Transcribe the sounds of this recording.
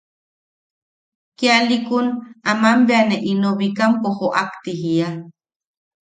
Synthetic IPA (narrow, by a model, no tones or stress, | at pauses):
kialikunamambeaneʔinoβikampoχoʔakt̪iɦia